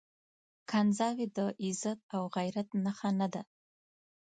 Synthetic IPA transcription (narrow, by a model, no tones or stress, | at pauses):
kʰanzɑwid̪əʔɪzat̪̚awɣajɾat̪naxanad̪a